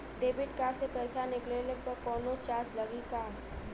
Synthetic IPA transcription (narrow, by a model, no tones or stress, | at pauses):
ɖeːbɪʈ̚kasepɛːsanɪklelepɐɾkɔːnot͡ʃaːt͡ʃlɐɡikaː